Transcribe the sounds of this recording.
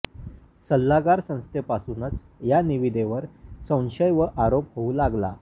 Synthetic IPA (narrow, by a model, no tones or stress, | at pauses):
səlːaɡaɾsə̃w̃st̪ʰepasunət͡s | janiʋid̪ʱeʋəɾsə̃w̃ɕəjʋəʔaɾophoulaɡla̰